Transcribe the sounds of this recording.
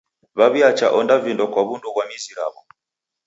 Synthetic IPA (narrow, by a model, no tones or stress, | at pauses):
βaβjat͡ʃaʔɔndavindɔkwaβundɔβwamiziɾa̰βɔ